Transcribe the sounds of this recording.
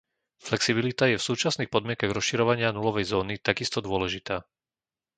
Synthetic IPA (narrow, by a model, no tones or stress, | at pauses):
flɛksibilit̪ajɛfsuːt͡ʃasnixpɔd̪mɪɛŋkaɣɾɔsʃiɾɔʋaɲɪanulɔʋɛjzɔːnit̪aɡist̪ɔd̪ʊɔlɛʒit̪aː